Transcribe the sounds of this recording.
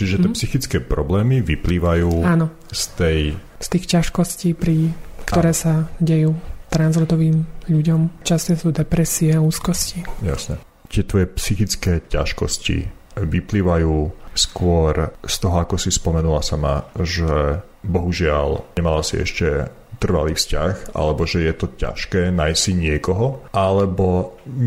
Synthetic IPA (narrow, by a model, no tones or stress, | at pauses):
t͡ʃiʒɛt̪ɪɛɛpsixit͡skɛːpɾɔblɛːmiʋipliːʋajuːaːnɔ | st̪ɛj | st̪iːxcaʃkɔsciːpɾikt̪ɔɾɛːsaɟɛjuːt̪ɾanzɾɔd̪ɔʋiːmʎuɟɔmt͡ʃast̪ɔsuːd̪ɛpɾɛsiɛuːskɔscija̰sɲɛ | t̪ɪɛt̪ʋɔjɛpsixit͡skɛːca̰ʃkɔscḭ | ʋipliːʋajuːskʊɔɾst̪ɔɦɔakɔsispɔmɛnulasama̰ʒɛ | bɔɦuʒɪalɲɛmalasiɛ̰ʃcɛ | t̪r̩ʋa̰liːfscaxʔa̰lɛbɔʒɛjɛt̪ɔca̰ʃkɛːnajssiɲɪɛkɔɦɔʔalɛbɔ